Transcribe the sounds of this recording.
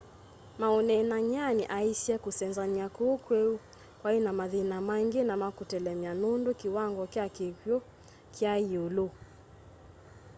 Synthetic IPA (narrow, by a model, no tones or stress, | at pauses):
maɔnɛnaɲaniʔaisiɛkusɛnzaniakuːkwɛu | kwainamaðinamaŋɡinamakutɛlɛmianundukiwaŋɡɔkiakikjɔ | kʰjaiulu